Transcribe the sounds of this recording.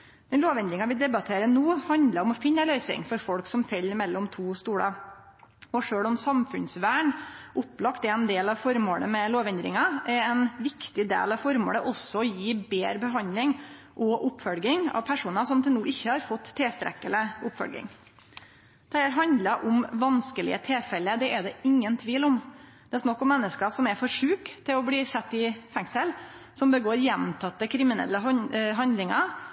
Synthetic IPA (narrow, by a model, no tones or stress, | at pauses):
d̪̥ɛnloːʋɛnd̪ɾɪŋɑʋɪd̪ɛbɑt̪ʰeːɾənuːhɑnd̪ləɾɔmɔfɪnːəlœʏsɪ̰ŋfɔɾfɔɽksɔmfɛlːmɛlːɔmt̪ʰuːst̪uːɽə | ɔʂøːɭɔmsɑmfʉnsʋæːɳʔʊpːlɑkt̪ɛɾɛnd̪eːlɑʋfɔɾmo̰ːɽə̰mɛloːʋɛnd̪ɾɪ̰ŋɑɛɛnʋɪkt̪ɪd̪ḛːlɑʋfɔɾmo̰ːləʔɔsːɔɔjiːbeːɾəbəɦɑnd̪lɪŋ | ʔɔʔʊpːfœlɡɪŋɑ̰ʋpʰæʂuːnəsɔmt̪ʰɪlnuːʔɪçːəhɑɾfɔt̪ʰːeːst̪ɾʔɛ̰kːələʊpːfœ̰lɡɪ̰ŋ | d̪̥ʰæɪæɾɦɑnd̪ləʔʊmʋɑnskəlɪ̰ət̪ʰɛːfɛlːəd̪ɛʔɛd̪ɛɪŋːənt̪ʰʋiːlɔmd̪̥ɛɛsnɑkːɔmːɛnːəskɑsɔmɛɾfɔʂʉːkt̪ʰːɪlɔbliːsɛt̪ːɪfɛŋsəl | sɔmbəɡoːɾjɛnt̪ʰɑt̪ːəkʰɾɪmɪnɛ̰lːəɦɑnd̪lɪŋɑ